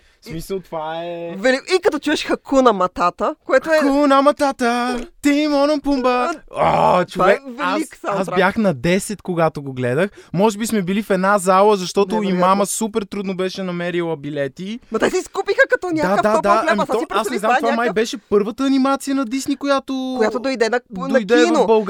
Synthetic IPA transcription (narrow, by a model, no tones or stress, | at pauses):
smisəlˠt̪vaɛvɛlikikəɐt̪ɔt͡ʃuɛʃxɐkunɐmɐt̪at̪əkoɛt̪konɐmɐt̪at̪ət̪imɔnɐmpumbəo̰tt͡ʃoavɛvɛasi̥saasbjaxnɐd̪ɛsɛt̪koɡat̪oɡoɡlɛd̪əxmɔʒɛbismɛbilifɛd̪nazalˠəzɐʃt̪ɔt̪ʊimaməsupɛɾt̪ɾud̪nobɛʃɛnɐmɛɾilˠɐbilɛt̪imɐt̪ɛsɛiskupixəkɐt̪ɔnʲad̪ad̪ad̪aɐmɔipɾasnɛzamvamajbɛʃɛpɤɾvət̪əːnimat̪sijənɐd̪isnikojat̪okjat̪od̪ojd̪ɛnɐnojd̪ɛnobɐlˠɡ